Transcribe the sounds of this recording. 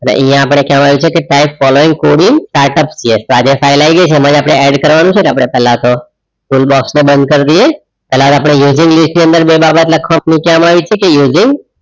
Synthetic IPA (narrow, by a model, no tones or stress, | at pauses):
ənḛʔĩjãːpəɽ̃ekɛʋãmaʋjit͡ʃʰekeʈaipfɔloɪ̃ŋɡkoɽiŋɡsʈaɾʈəpsiest̪oad͡ʒefʰailaiɡəjt͡ʃʰemãd͡ʒapɽ̃eɛɖkəɾʋanũt͡ʃʰenapəɽɳ̃epɛɦlãt̪o | ʈulbɔksnebənd̪̚kəɾd̪ie | pɛlãt̪oapəɽ̃ejuzɪŋɡlisʈniənd̪əɾbebabət̪ləkʰʋəmpnikɛamaʋit͡ʃʰekejuzɪ̃ŋɡ